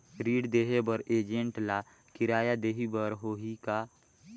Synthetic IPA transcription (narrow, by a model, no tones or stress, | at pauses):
ɾiːɽd̪eːɦebəɾeːd͡ʒẽɳʈla | kɪɾaːjad̪eːɦibəɾɦoɦika